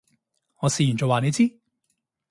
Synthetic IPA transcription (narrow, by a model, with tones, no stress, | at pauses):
ŋɔː˨˧siː˨ji˨˩nt͡sɔː˨waː˨˧ne˨˧t͡siː˥